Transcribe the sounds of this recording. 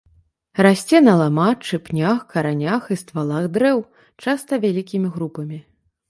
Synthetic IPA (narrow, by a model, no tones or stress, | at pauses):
rasʲt͡sʲɛnɐlˠamat͡ʂɨpnʲaxkɐɾanʲaxist̪valˠaɣd̪ɾɛw | t͡ʂast̪ɐvʲalʲikʲimʲiɣɾupɐmʲi